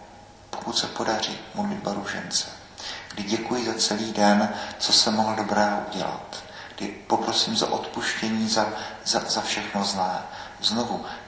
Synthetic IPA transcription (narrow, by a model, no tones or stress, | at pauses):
pokut̪sɛpo̞darḭːmolɪbaɾuʒɛ̰nt͡sɛ̥ | ɡ̥dɪɟɛkujɪzat͡sɛliːdɛnt͡so̞sɛmoɦl̩do̞bɾɛːʔuɟɛla̰t̪ | ɡ̥dɪpo̞pɾo̞siːmza̰ʔo̞t̪puʃcɛɲiːzazazafʃɛxnoznɛːzno̞vu